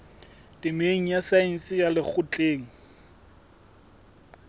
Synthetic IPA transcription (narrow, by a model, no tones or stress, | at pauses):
tʼɪmeŋ̩jasain̩sɪjalɪk͡xʰʊt͡ɬʼeːŋ̩